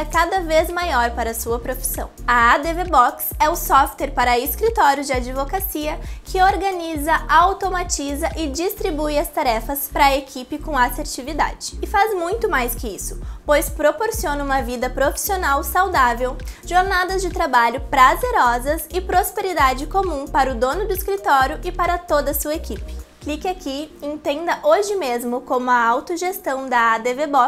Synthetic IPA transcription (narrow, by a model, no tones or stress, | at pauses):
ɐkad̪ɐvezmajɔɾpaɾɐsuɐpɾofi̥sɐ̰̃w̃ɐad̪evebɔksɛʊsɔft̪eɾpaɾɐɪskɾit̪ɔɾjʊd͡ʒɪad͡ʒivokasiɐkʰɪoɾɡɐnizɐʔawt̪omat͡ʃizɐʔɪd͡ʒist̪ɾibujɐst̪aɾɛfɐspɾɐekʰipɪkõaseɾt͡ʃivid̪a̰d͡ʒɪːfazmũj̃t̪ʊmajskɪisʊ̥pojspɾopoɾsiõnɐũmɐvid̪ɐpɾofi̥sionawsawd̪avewʒ̥oɾnad̪ɐzd͡ʒɪt̪ɾabaʎʊpɾazeɾɔzɐsɪpɾospeɾid̪ad͡ʒɪkomũpaɾʊd̪õnʊd̪ʊiskɾit̪ɔɾjʊʔɪpaɾɐt̪od̪ɐsuɐekipɪ̥klikɪakiẽnt̪ẽnd̪ɐʔoʒɪmezmʊkõmʊɐawt̪ʊʒest̪ɐ̃w̃d̪ɐad̪evebɔ